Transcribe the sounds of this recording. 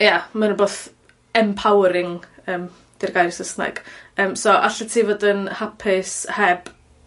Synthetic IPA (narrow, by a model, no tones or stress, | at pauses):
jamanəboːθ | ɛmpʰawɾɪŋəːm | d̥ɪrɡajrsəsna̰ɡ̥əːmsoʔa̰ɬətʰiːvɔdɪnhapʰɪshɛb̥